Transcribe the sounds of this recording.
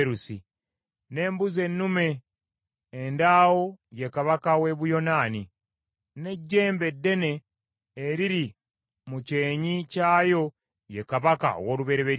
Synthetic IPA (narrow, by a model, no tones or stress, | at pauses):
ɾusi | ne̞ːmbuze̞nːume̞ː | ndaːwo̞je̞kaβakawe̞βujo̞naːni | ne̞ɟːe̞ːmbe̞dːe̞ne̞ː | ɾiɾi | muce̞ːɲicaːjo̞ | je̞kaβaka̰o̰wo̞ːluβe̞ɾeβe